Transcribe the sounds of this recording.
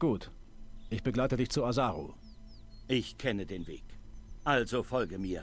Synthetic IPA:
ɡ̥uːtʔɪçb̥əɡlaɪtədɪçt͡suazaːʁo̰ | ʔɪçkʰɛnədeːnvḛːkʔalzofɔlɡəmiːɐ

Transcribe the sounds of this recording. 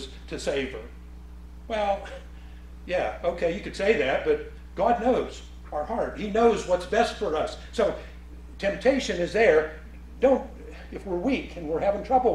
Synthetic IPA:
z̥ | tʰɨseɪv̥ə̰˞ | wɛlˠ | jæoʊkʰeɪjɨkɨd̥seɪðæt̚b̥ʌt̚ | ɡ̥ɑdⁿnoʊz | aʊə˞hɑɹt̚hinoʊzwʌtsb̥ɛstfə˞ʌsːoʊ | tʰɛ̃mp̚tʰeɪʃɨ̃nɨzðə˞ | dõʊ̃nt̚ | ɨfwɪɹwikʰɨ̃nwɪɹhævɪ̃ŋtʰɹ̥ʌbl̩ˠ

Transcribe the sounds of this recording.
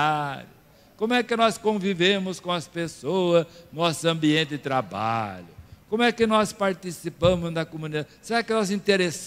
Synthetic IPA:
ɾʊ | kõmʊɛkɪnɔskõvivẽmʊskõɐspesoɐznɔsʊɐ̃mbiẽnt̪ɪd̪ɪt̪ɾaba̰ʎʊkõmʊɛkɪnɔspaɾt̪isipɐ̃mʊzd̪ɐkomũnid̪ad̪ɪseɾakɪnɔzĩt̪eɾes

